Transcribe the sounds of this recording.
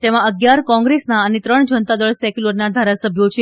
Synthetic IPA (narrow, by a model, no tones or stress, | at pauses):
t̪emãəɡjaɾkɔ̃ŋɡɾesnaənet̪ɾəɳd͡ʒənt̪ad̪əɭsɛkuləɾnad̪ʱaɾasəbʱjot͡ʃʰe